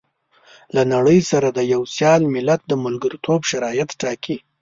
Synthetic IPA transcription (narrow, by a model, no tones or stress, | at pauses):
lanaɽəjsaɾad̪əjawsjɑlmɪlat̪̚d̪əmʊlɡaɾit̪ʰobʃaɾɑjat̪ʈɑki